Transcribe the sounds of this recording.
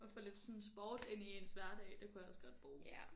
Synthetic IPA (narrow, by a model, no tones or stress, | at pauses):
ɒ̽fɒ̽le̝d̥sɔ̽nsb̥ɒːd̥e̝nie̝nsʋæɐ̰d̥ɛɪd̥e̝kʰujäɒ̽sɡ̥ɒ̽d̥̚b̥ʁuː